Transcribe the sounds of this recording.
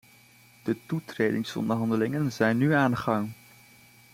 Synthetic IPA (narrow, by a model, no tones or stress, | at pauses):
d̥ətutreːdɪŋsɔ̰ndəɹɦɑndəlɪŋənzɛjnːyaːnχɑŋ